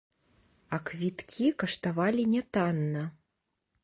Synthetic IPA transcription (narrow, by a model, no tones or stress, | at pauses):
ɐkvʲit̪kʲʰikɐʂt̪avalʲinʲɛt̪anːɐ